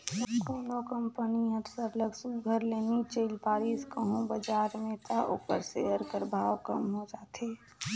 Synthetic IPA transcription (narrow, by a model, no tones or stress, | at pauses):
koːnokəmpəniɦəɾsəɾləɡsuɡʱəɾleːnit͡ʃeːlpaːɾiskəɦũbəd͡ʒaːɾmẽt̪ʰaʔo̰ːkəɾsḛəɾkəɾbʱaːʋkəmɦod͡ʒaːt̪eː